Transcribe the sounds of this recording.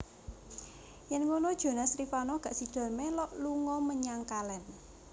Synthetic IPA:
jɛnŋonɔd̥ʒ̥o̤nasɾifanɔɡ̥a̤ʔsid̪̥a̤lmelɔʔluŋɔməɲaŋkalɛn

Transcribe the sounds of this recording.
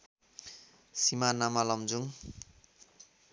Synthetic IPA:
simanamalʌmd͡zuŋ

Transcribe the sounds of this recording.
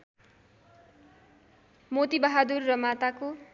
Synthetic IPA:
mot̪ibʌɦad̪urːʌmat̪ako

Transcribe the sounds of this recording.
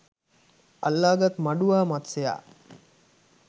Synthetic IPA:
ɐlːaːɡat̪maɖuʋaːmat̪seja̰ː

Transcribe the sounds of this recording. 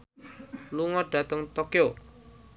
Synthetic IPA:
luŋɔɖ̥ä̤t̪əŋt̪okeo

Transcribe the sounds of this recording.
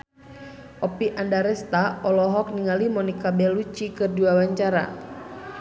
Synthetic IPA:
ʔɔpiʔandaɾɛst̪aɔlɔɦɔk̚niŋalimɔnikabɛlut͡ʃikɨrduawaɲt͡ʃaɾa̰

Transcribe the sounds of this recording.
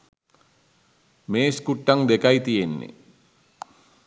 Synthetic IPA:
meːskuʈːaŋd̪ekajt̪ijenːḛ

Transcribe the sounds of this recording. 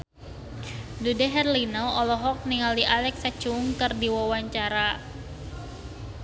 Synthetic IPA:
dudɛɦɛrlinɔɔlɔɦɔk̚niŋaliʔalɛksat͡ʃuŋkɨrdiwawaɲt͡ʃaɾa

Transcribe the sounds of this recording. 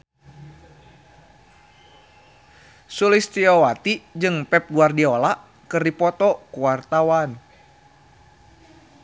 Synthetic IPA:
sulist̪iɔwat̪id͡ʒɨŋpɛp̚ɡuardiɔlaʔ | kɨrdipɔt̪ɔkuwart̪awan

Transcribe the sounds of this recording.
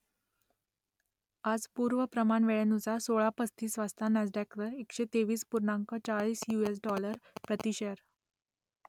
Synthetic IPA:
ad͡zpuɾʋəpɾəmaɳʋeɭenusasoɭapəst̪iːsʋast̪ʰanad͡zɖakʋəɾekʂet̪eʋiːspuɾɳaŋkət͡saɭiːsjues̬ɖɔləɾpɾət̪iɕəɾ

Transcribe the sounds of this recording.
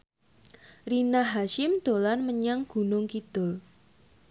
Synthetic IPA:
rinaɦaʃɪmd̪̥olanməɲaŋɡ̥ṳnʊŋkid̪̥ʊl

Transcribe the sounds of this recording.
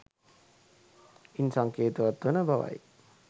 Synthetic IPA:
insaŋkeːt̪uʋat̪ʋənəbaʋa̰j

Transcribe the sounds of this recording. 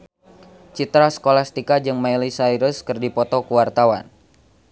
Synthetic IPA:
t͡ʃit̪ɾasə̥kolast̪ikad͡ʒɨŋmailisaiɾəskɨrdipɔt̪ɔkuwart̪awa̰n

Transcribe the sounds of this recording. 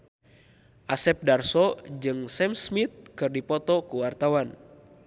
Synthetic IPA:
ʔasɛp̚darsɔd͡ʒɨŋsɛmsmit̪̚kɨrdipɔt̪ɔkuwart̪awan

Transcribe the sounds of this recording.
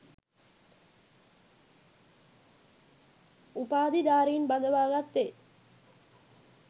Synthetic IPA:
upaːd̪id̪aːɾijinbad̪əʋaːɡat̪ːe

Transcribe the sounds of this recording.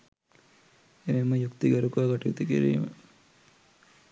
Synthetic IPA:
eʋeməjukt̪iɡɐɾukaːɡɐʈuit̪ukiɾḭːmə̰

